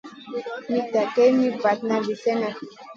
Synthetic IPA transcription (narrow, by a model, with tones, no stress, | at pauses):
mi˦ta˨kɛ˦mi˦pa˨t̪na˨vi˨sɛ˦na˨